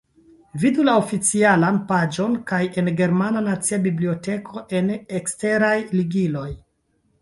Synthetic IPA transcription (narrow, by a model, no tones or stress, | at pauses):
vidulaofit͡sialanpad͡ʒo̞nkaje̞nɡe̞ɾmananat͡siabiblio̞te̞kʰo̞ʔe̞nekste̞ɾajliɡilo̞j